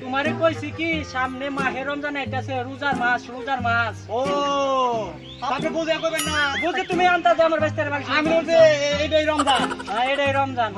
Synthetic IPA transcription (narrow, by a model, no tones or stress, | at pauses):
t̪umaɾekojsikisamnemaɦeɾɔmd͡zanaeʈaseɾud͡zaɾmasɾud͡zaɾmaso | aapnebud͡ʒakobenːabud͡ʒket̪umeant̪ad͡ʒamaɾbest̪eɾbalt͡ʃʰameeɖaiɾɔmd͡ʒaneɽaiɾɔmd͡ʒan